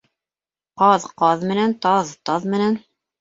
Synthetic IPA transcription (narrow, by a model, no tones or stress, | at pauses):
qɑðqɑðmɘ̆nænt̪ɑðt̪ɑðmɘ̆næn